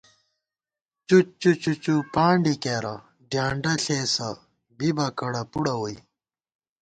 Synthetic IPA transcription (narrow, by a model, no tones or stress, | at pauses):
t͡ɕut͡ɕut͡ɕut͡ɕupaːɳɖikeːɾɐ | d̪ʱjaːɳɖɐɬeːsɐ | bibɐkɐɽɐpuɽɐwui